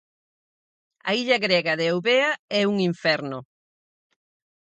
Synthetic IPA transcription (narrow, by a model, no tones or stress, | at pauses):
ɐ̰iʎɐɣɾɛɣaðeowβeɐɛuŋiɱfɛɾno